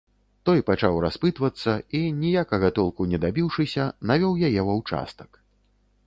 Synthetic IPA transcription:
t̪ɔjpat͡ʂawraspɨt̪vɐt̪sːɐinʲijakɐɣɐt̪ɔlˠkunʲɛd̪abʲiwʂɨsʲɐnavʲɔwjajɛvɐwt͡ʂa̰st̪ɐ̥k

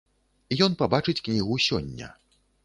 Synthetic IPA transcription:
ijɔnpabat͡ʂɨt͡sʲknʲiɣusʲɔ̰nʲːɐ̰

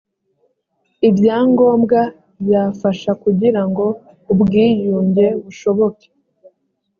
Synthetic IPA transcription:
ibjaːŋɡo̞ːmbɡa | bjaːfaʃakuɟiɾaŋɡo̞ | ubɡiːjuːɲɟe̞βuʃo̞βo̞ke̥

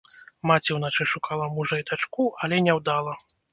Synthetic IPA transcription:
mat͡sʲiwnat͡ʂɨʂukalˠɐmuʐɐjd̪at͡ʂkuɐlʲɛnʲɛwd̪alˠɐ

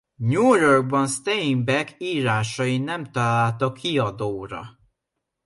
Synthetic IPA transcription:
ɲujorɡ̚bɒnst̪eimbɛkiːɾaːʃɒjinɛmt̪ɒlaːlt̪ɒkʰːiɒd̪oːɾɒ̰

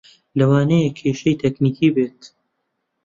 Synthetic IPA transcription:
lɐwaːnejekʰeːʃɐjt̪ʰekniːkibeːt̪

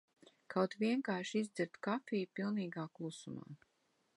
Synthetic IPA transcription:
kawt̪viɛŋkaːʃizd̪ɨɾt̪kafiːjpilˠniːɡaːklˠusuma̰ː

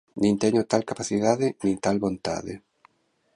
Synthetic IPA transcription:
nĩnt̪ɛɲot̪alkapaθiðaðɪnĩŋt̪alβont̪a̰ðɪ

